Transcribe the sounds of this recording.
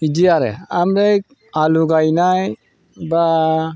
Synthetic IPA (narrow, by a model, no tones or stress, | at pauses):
idiaɾɛ̰amɾɛjk̚ | aluɡajnaj | ba